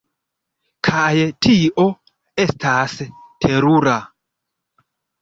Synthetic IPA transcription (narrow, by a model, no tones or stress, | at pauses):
kʰajtʰiʔo̞ | e̞stʰastʰeɾuɾa